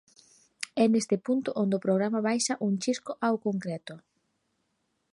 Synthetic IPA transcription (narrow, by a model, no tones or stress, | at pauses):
ɛnest̪ɪpunt̪ʊʔond̪opɾoɣ̞ɾamaβajʃɐʔuŋt͡ʃiskʊʔawkoŋkɾɛt̪ʊ